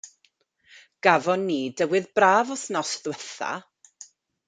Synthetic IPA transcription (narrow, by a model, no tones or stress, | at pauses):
ɡ̥avɔnːiːdəwɨðbraːvɔθnɔsðwɛθa̰